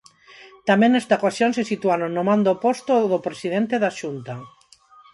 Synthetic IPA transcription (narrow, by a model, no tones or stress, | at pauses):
t̪amẽnɛst̪akwasjonsesit̪uanonːomãnd̪opost̪oðopɾesiðent̪eðaʃunt̪a